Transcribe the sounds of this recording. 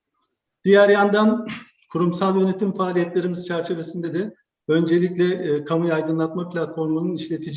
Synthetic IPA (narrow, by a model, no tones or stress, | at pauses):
d̪̥ijæɾjand̪an | kʰuɾumsalˠjø̞ne̞t̪ʰimfaːlʲijɛt̪lʲe̞ɾimiz̥t͡ʃʰæɾt͡ʃʰe̞ve̞sind̪ed̪ɪ | ø̞nd͡ʒe̞lʲicʲlʲɛkʰamujaːjd̪ɯnlˠat̪mapilʲat̪fo̞ɾmununiʃlʲe̞t̪ʰid͡ʒ